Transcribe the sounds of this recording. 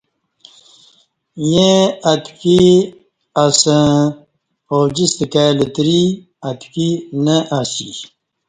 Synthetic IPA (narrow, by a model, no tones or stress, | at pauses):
jẽɐt̪ki | ɐsə̃ | oːd͡ʑist̪kalit̪ɾi | ɐt̪kinəʔasḭ